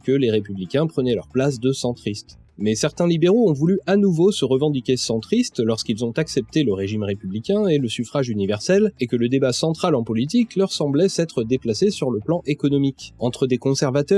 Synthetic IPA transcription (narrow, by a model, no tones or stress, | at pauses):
kəleʁepyblikʲɛ̃pχənɛlœʁplas̬d̪əsɑ̃t̪χist̪ | mɛsɛʁt̪ɛ̃libeʁoɔ̃vulyanuvosəʁəvɑ̃d̪ikʲesɑ̃t̪χist̪lɔʁskilzɔ̃t̪aksɛp̚t̪eləʁeʒimʁepyblikʲɛ̃eləsyfχaʒynivɛʁsɛlekələd̪ebasɑ̃t̪χalɑ̃pɔlit̪̬iklœʁsɑ̃blɛsɛt̪χəd̪eplasesyʁləplɑ̃ʔekɔnɔmikɑ̃t̪χəd̪ekɔ̃sɛʁvat̪œ